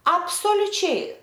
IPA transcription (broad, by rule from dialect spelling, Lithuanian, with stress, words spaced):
ɐpsoːlʲʊˈt͡ʃʲɛɪ